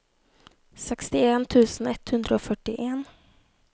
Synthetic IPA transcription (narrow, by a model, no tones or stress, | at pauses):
sɛkst̪ɪeːnt̪ʰʉ̟ːsənɛt̪hɵnd̪ɾəoːfœʈːɪʔeːn